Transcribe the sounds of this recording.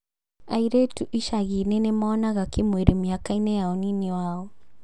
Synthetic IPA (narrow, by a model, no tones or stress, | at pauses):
aiɾetuʔiʃaɣinenemaːnaɣakemweɾemiakainɛjaɔninewaɔ